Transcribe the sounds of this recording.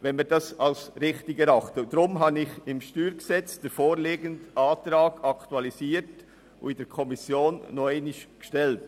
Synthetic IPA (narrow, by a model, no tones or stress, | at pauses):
vɛnmiːdɑsɑlsɾɪχtɪɡəɾɑχtədɾʊmɦɑnɪçɪmʃtyːɾɡ̥əsɛt͡sd̥eɾfoːɾleːɡəntʔaːtɾɑːɡ̥ɑktuɑlisiːɾt | ʊ̰ɪd̥ɛɾkʰɔmɪsjoːnːɔɪnɪʃɡ̥ʃtɛlt